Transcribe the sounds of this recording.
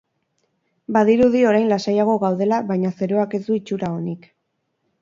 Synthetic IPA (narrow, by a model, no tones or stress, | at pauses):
baðiɾuðio̞ɾajnlasajaɣ̞o̞ɣawð̞e̞laβajɲase̞ɾo̞ake̞zd̪uit͡ʃuɾao̞nik